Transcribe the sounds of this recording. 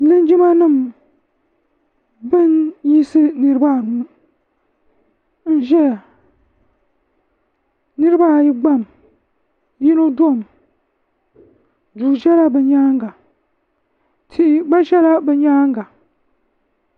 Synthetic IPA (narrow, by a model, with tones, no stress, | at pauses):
lɨ˦nd͡ʒi˦ma˦nɨ˦˨m | bɨ˦nji˦sɨ˦nɨ˦ɾɨ˦ba˦˨n˨nɨ˦ | n̩˦ʒɛ˦a˨ | nɨ˦ɾɨ˦ba˦˨ji˦ɡ͡ba˦˨m | ji˦no˦do˦˨m | duː˨ʒɛ˦la˦bɨ˨ɲaː˦ŋɡa˨ | tʰi˨ʔi˨ba˦ʒɛ˦la˦bɨ˨ɲaː˦ŋɡa˨